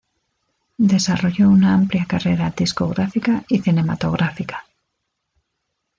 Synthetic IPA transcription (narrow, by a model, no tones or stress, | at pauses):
d̪esaroʎounaãmpljakareɾad̪isko̰ɣɾafikaiθinema̰t̪oɣɾʔafikḁ